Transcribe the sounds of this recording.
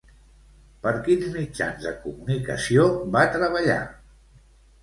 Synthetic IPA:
pəɾkinzmid͡ʒa̰nzðəkumunikə̰siobat̪ɾəβ̞əʎa̰

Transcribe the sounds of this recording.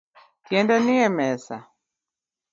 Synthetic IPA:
kiɛndaniɛmɛsa̰

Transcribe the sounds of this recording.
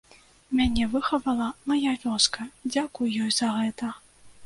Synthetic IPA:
mʲanʲɛvɨxɐvɐlˠɐmajavʲɔskɐd͡zʲakujjɔjzɐɣɛt̪ɐ

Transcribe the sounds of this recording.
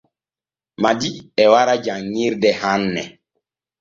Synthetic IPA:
madiɛwaɾad͡ʒaŋːiɾdɛhanːɛ

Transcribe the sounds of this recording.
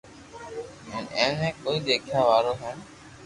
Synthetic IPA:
mɛ̃ːnɛ̃ːnɛ̃ːkoːiːd̪eːkʰjaːʋaːɾoːɦɛ̃ːn

